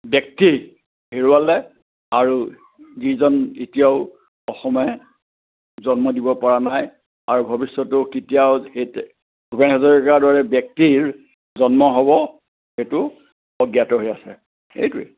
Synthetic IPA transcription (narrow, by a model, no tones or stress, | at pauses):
bjɛk̚ti | heɹuwalɛ | aɹu | zizɔnetijaʊ | ɔxɔmɔɛ | zɔnmɔdibɔpɔɹanaj | aɹubʱɔbisːɔtʊkitijawet | ɡʱubɛnɦazɔɹikaɹdɔɹɛbjɛk̚tiɹ | zɔnmɔɦɔbɔ | xejtʊ | ɔɡjatɔɦojasɛ̰ | ḛjtuɛ̰